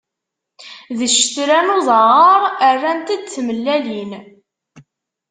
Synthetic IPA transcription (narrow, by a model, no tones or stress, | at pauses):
ðəʃt̪ɾænoðˤɑʁəɾˤərːænt̪æd̪t͡sːməlːælin